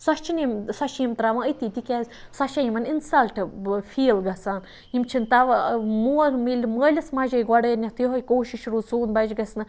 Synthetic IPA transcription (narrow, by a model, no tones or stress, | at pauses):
sɐʃt͡ʃʰinimsɐʃimt̪ɾaʋɐ̃əjt̪iːt̪ikʲɛːzsɐʃɐjimɐninsɐlʈfʰiːlɡɐsaːn | imt͡ʃʰint̪ɐʋmoːɾmilʲməːlʲɐsmɐʒɐjɡɐɽɐːnʲɐt̪jɦojkoːʃiʃɾuːsuːnbɐd͡ʒɡɐsnɨ